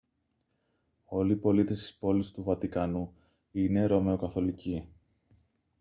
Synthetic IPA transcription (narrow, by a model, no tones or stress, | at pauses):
o̞liːpo̞lit̪e̞st̪i̥spo̞list̪uvɐt̪ikɐnu | ine̞ɾo̞me̞okɐθo̞lici